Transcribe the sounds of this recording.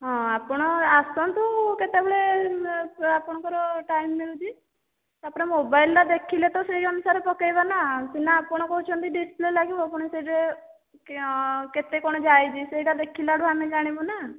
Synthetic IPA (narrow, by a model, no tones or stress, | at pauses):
ɦɔ̃apɔɽ̃ɔasɔnt̪uket̪ebeɭe | apɔɽ̃ɔkɔɾɔʈajmːilut͡ʃʰi | t̪apɔɽ̃emobajlɾad̪ekʰilet̪ɔseɾeɔnusaɾepɔkajbanat̪inaːpɔɽ̃ɔkɔɦut͡ʃʰɔnt̪iɖisplelaɡibɔapɔɽ̃eseiɾe | ket̪ekɔɽ̃ɔd͡ʒajd͡ʒʰisejɾad̪ekʰilaɖʱuaned͡ʒaɽ̃ibɔna